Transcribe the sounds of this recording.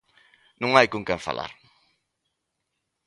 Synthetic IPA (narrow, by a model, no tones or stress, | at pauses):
nũŋajkuŋkɛ̃nfa̰lʔa̰ɾ